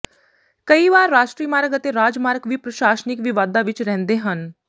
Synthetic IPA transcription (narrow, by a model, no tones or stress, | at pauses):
kɐiʋaːɾːaːʃʈɾiːmaːɾɡət̪eɾaːd͡ʒmaːɾɡʋipɾəʃaːsənɪkʋɪʋaːd̪aʋɪt͡ʃɾɛɦnd̪eɦən